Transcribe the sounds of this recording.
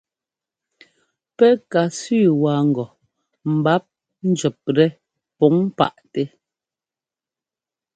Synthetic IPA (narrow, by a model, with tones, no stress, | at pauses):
pɛ˦ka˨sʉː˦˨waː˨ŋ̩˨ɡɔ˨ | m̩˨ba˦p̚ | n̩˦d͡ʒɛ˨p̚ɾɛ˦ | pɔ˨˦ŋ˦pa̰˨ʔtɛ˦